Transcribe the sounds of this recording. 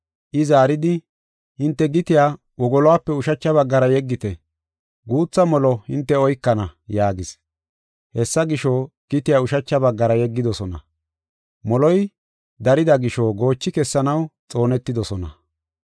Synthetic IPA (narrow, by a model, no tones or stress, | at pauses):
ʔɪzaːɾɪd̪ɪ | hɪnt̪ːɛɡɪt̪ɪjaː | wɔɡɔlɔwaːpːɛʊʃɐt͡ʃːɐβɐɡːɐɾɐjɛɡːɪt̪ɛ | ɡuːt͡sːɐmɔlɔhɪnt̪ːɛɔjkːɐnɐjaːɡɪs | hɛsːɐɡɪʃo | ɡ̥ɪt̪ɪjaːʊʃɐt͡ʃːɐbɐɡːɐɾɐjɛɡːɪd̪ɔsɔnɐ̰ | mɔlɔj | d̪ɐɾɪd̪ɐɡɪʃoɡo̞ːt͡ʃːɪkɛsːɐnɐwt͡sʼo̞ːnɛt̪ːɪd̪ɔsɔnɐ̰